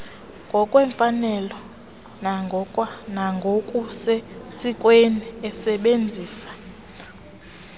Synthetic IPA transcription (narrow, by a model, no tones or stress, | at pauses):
ŋɡʱɔkʼwɛɱfanɛlɔ | naŋɡʱɔwanaŋɡʱokʼusɛsikʼweniɛsɛɓend͡zʱiːsḁ